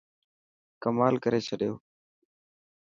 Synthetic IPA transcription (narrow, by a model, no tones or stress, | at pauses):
kəmaːlkəɾeːt͡ʃʰəɗjo̰ː